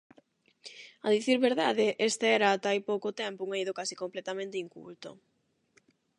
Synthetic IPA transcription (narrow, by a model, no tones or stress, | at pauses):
aðiθiɾβeɾðaðeʔest̪eɛɾaːt̪ajpowkot̪ɛmpouŋejðokasi̥komplɛt̪amẽnt̪eiŋkṵlt̪o̰